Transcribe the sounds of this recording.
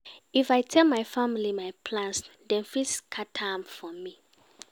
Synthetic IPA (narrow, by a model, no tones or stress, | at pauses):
ifajtʰɛlmajfamilimajpʰlãnsdɛ̃nfiskʰatʰãmfɔmi